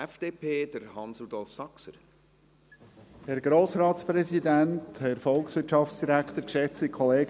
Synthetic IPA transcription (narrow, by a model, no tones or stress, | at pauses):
ɛfd̥eːpʰeːd̪̥əɾhɑnsud̪ɔlfsɑksəɾ | hɛɾɡ̥ɾoːsɾɑːt̪spɾɛsid̪ænt̪hɛɾfɔlksʋɪtʃɑft͡ssd̥iɾækt̪əɾkʃɛt͡sikʰχɔleːɡ